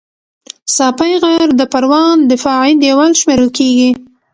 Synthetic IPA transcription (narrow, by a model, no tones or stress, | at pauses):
sɑpajɣaɾd̪əpaɾwɑnd̪əfɑʕid̪jawalʃmeɾəlkeɡi